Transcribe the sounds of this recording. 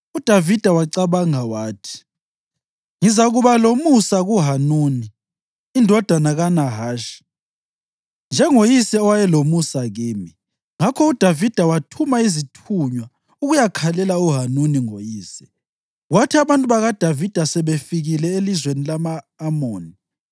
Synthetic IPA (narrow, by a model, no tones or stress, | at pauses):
ud̥ʱavid̥ʱawaǀaβaŋawaːtʰi̥ | ŋizaɣuβalomusaɣuɦanuniː | ndʱɔd̥ʱanaɣanaɦaːʃi̥ | nd͡ʒʱɛŋojisɛɔwajɛlomusaɣiːmi | ŋakʰɔud̥ʱavid̥ʱawatʰumaizitʰuɲwa | uɣujakʰalɛlauɦanuniŋojiːsɛ̥ | ɣwatʰiaβantʼuβaɣad̥ʱavid̥ʱasɛβefiɣilɛelizwenilamaː | moːni